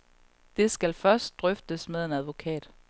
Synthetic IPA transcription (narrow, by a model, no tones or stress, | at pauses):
d̥e̝sɡ̥ælfɶɐsd̥̚d̥ʁœfd̥əsmeðˠe̝næðˠʋo̝kʰɛ̰ːd̥